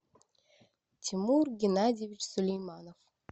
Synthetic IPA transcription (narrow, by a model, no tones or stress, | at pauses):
tʲʰimurɡʲɪnadʲivʲit͡ɕsɵlʲejmanof